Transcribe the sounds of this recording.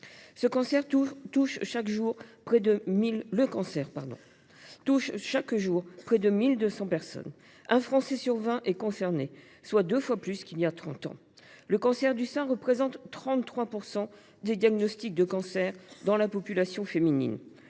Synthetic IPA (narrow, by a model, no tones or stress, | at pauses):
səkɑ̃sɛʁt̪uʃʃakʒuʁpχɛd̪ələkɑ̃sɛʁpaʁd̪ɔ̰̃ | t̪uʃʃakʒuːʁpχɛd̪əmild̪øsɑ̃pɛʁsɔ̰n | ɛ̃fχɑ̃sɛsyʁvɛ̃ʔɛkɔ̃sɛʁne | swad̪øfwaplyskʲiliat̪χɑ̰̃t̪ɑ̰̃ | ləkɑ̃sɛʁd̪ysɛ̃ʁəpχezɑ̃t̪ːχɑ̃t̪ːχwapuʁsɑ̃ | d̪ed̪jaɡnɔst̪ik̚d̪əkɑ̃sɛʁd̪ɑ̃lapɔpylasjɔ̃feminḭn